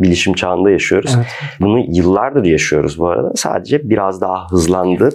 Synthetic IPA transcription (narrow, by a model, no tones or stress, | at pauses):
bilʲiʃimt͡ʃʰaːɯnd̪ajaʃɯjo̞ɾuzzbunujɯlˠːaɾd̪ɯɾjaʃɯjo̞̰ɾuzbuaɾa̰d̪asa̰ːd̪e̞d͡ʒɛbiɾazd̪aɦaɦɯzlˠand̪ɯ